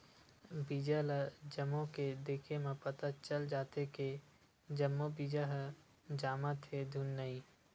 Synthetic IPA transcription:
biːd͡ʒələd͡ʒəmːõked̪eːkʰemẽpət̪at͡ʃəld͡ʒaːt̪eke | d͡ʒəmːobiːd͡ʒəɦə | d͡ʒaːmət̪ɦed̪ʱunːəiː

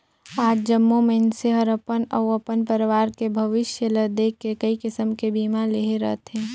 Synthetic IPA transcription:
aːd͡ʒd͡ʒɐmːõmẽɪnseɦəɾəpənɐwɐpənpəɾɪʋaːɾkebʱɐʋɪʃjələd̪eːkːekɐikɪsəmkebiːmaleːɦeɾɐ̰t̪ɦɛ̃ː

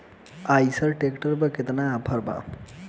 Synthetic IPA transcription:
ajsəɾʈekʈəɾbəket̪naːpʰəɾba̰

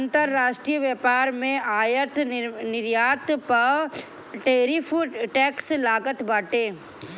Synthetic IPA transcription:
nt̪əɾːaːʃʈɾijəʋjeːpaːɾmẽaːjət̪nɪɾjaːt̪pɐ | ʈeːɾifʰuʈɛːkslaːɡət̪baːʈeː

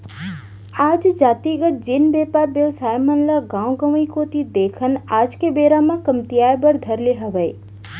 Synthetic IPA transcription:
ad͡ʒd͡ʒat̪iɡət̪̚d͡ʒenbepaɾbelsajmənləɡãwɡəmikot̪id̪ekʰənad͡ʒkebeɾamãkəmt̪ijajbəɾd̪ʱəɾleɦəʋəj

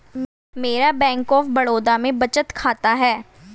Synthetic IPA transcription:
meːɾabɛ̃ːŋkɔːfbəɽoːd̪amẽbət͡ʃət̪kʰaːt̪aɦɛː

